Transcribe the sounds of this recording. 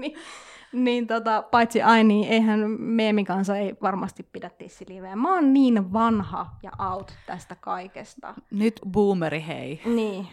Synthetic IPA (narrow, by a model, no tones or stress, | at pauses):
ni | niːnt̪ot̪ɑpɑit̪siʔɑinniːʔeihænmemikɑnsɑeiʋɑrmɑst̪ippidæt̪ːiːssiliʋeːmmɑnniːnʋɑnhɑ̰jɑ̰ʔɑut̪t̪æst̪ækɑikest̪ɑ̰nyt̪buːmeɾihḛiniː